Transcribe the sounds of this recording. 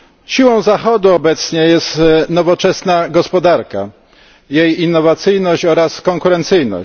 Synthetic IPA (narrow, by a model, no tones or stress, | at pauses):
ɕiwɔ̃w̃zaxɔd̪uɔbɛt̪sɲɛjɛst̪nɔvɔt͡ʂɛsnaɡɔspɔd̪aɾka | jejinːɔvat̪sɘjnɔɕt͡ɕɔɾaskɔŋkuɾɛnt̪sɘjnɔ̰